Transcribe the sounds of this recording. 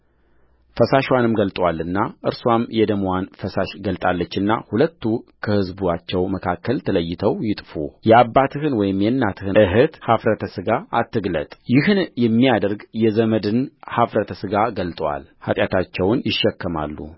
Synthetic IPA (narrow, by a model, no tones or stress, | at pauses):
fəsaʃwanɨmɡəlt̪ʼwalːɨnːaʔɨɾswamjɛd̪əmwanfəsaʃɡəlt̪ʼalːət͡ʃːɨnːa̰hulət̪ːukʰəhɨzbuat͡ʃːɛwməkʰakːəlt̪ʰələjːɪt̪ʰəwjɪt̪ʼfujɛabːat̪ʰɨhɨnwɔjɪmjɛnːat̪ʰɨhɨʔɨɦɨt̪hafɾət̪ʰəsɨɡaʔat̪ːɨɡlə̰t̪ʼjɪhɨnjɛmːijad̪əɾɡjɛzəməd̪ɨnhafɾət̪ʰəsɨɡaɡəlt̪ʼwa̰lha̰t̪ʼjat̪ʰat͡ʃːɛwnjɪʃːɛkːəma̰lːṵ